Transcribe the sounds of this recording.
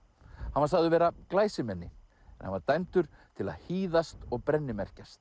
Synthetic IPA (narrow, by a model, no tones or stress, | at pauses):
hanvaɾsaːɣðʏvɛːɾaklaːjsɪmɛnːɪ | ɛnha̰nvaɾt̪ajmt̪ʏɾ̥t̪ʰɪla̰ðhiːðast̪ɔɣpɾɛnːɪmɛr̥cast̪